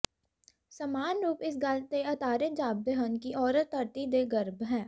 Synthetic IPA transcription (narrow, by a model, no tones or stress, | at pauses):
sɐmaːnɾuːpɪs̬ɡalt̪eɐt̪aːɾed͡ʒaːb̚d̪əɦənkiʔɔːɾət̪ɐɾt̪id̪eɡəɾbɦɛː